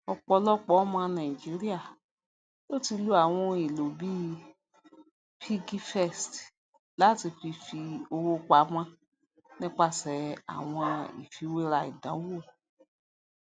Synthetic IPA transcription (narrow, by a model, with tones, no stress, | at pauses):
ɔ˧k͡pɔ˧lɔ˦k͡pɔ˦mã˧nã˨i˨d͡ʒi˨˦ɾi˦a˦˨ | lo˦˨ti˧lu˦a˦˨w̃ɔ̃˧i˨lo˨bi˦ | pʰi˦ɡi˦fɛ˦˨st | la˨˦ti˧fi˧fi˧o˧wo˦k͡pa˨˦mã˦ | nĩ˦k͡pa˦˨sɛ˨˦a̰˨w̃ɔ̃˧ḭ˨fi˨˦we˦ɾa˧ḭ˨dã˨˦wo˦˨